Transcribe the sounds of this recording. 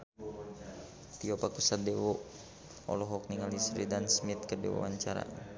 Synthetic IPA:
t̪iɔpakusadɛwo | ɔ̰lɔɦɔk̚niŋalisɾidansmit̪̚kədɛ̰wɔ̰a̰ɲt͡ʃaɾa̰

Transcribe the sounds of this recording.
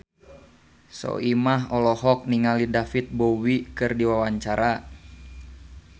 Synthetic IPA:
sɔ̰ʔimaɦɔlɔɦɔk̚niŋalidafit̪̚bowikɨrdiwawaɲt͡ʃaɾa

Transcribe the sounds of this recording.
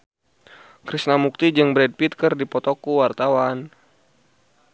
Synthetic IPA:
kɾisnamuk̚t̪id͡ʒɨŋbɾɛd̚pit̪̚kərdipɔt̪ɔkuwart̪awan

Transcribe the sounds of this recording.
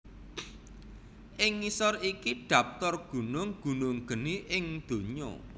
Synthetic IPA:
ʔɪŋːisɔrikiɖ̪̥a̤p̚t̪ɔrɡ̥ṳnʊŋɡ̥ṳnʊŋɡ̥ə̤niʔɪŋd̪̥o̤ɲɔ̰

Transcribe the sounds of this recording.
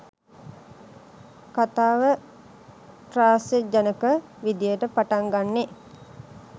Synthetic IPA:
kat̪aːʋə | ʈraːsjed͡ʒanəkə | ʋid̪ijəʈəpaʈaŋɡanːe

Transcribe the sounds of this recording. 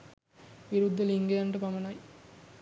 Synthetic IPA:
ʋiɾud̪ʱːɐliŋɡejaɳʈəpɐmɐnɐj

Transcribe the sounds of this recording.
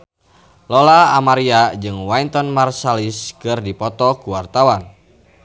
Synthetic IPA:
lɔlaːmaɾiad͡ʒɨŋwaint̪ɔnmarsaliskɨrdipɔt̪ɔkuwart̪awan

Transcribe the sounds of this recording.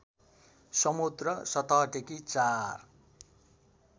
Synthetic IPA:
sʌmud̪rʌsʌt̪aɦʈekit͡sar

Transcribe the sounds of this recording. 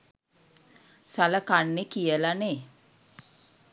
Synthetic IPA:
saləkanːekijəlane

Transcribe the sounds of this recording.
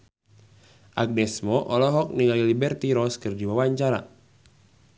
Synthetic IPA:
ʔaɡ̚nɛsmɔʔɔlɔɦɔk̚niŋalilibɛrt̪iɾɔskɨrdiwawaɲt͡ʃaɾa̰

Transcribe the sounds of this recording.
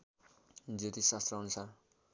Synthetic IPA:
d͡zet̪isast̪rʌʌnusar

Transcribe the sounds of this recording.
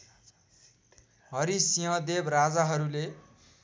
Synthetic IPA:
ɦʌɾisijʌ̃d̪ebrad͡zaɦʌɾule

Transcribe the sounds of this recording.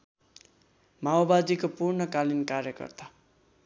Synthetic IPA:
maobad͡zikopurɳʌkalinkarjʌkʌ̰rt̪a

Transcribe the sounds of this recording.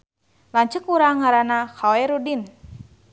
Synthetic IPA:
laɲt͡ʃəkuɾaŋaɾanakawɛɾudin

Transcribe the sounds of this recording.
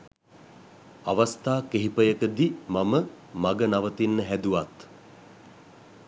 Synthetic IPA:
aʋast̪aːkeɦipəjəkəd̪imamə | maɡənaʋət̪inːəɦæd̪uʋat̪

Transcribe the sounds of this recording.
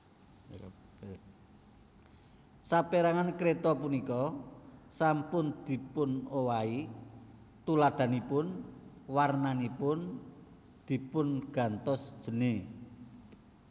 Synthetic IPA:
sapeɾaŋankɾet̪ɔpunikɔ | sampʊnd̪̥i̤pʊnowai | t̪ulaɖ̪̥a̤nipʊn | warnanipʊn | d̪̥i̤pʊnɡ̥a̤nt̪ɔsd̥ʒ̥ə̤ni

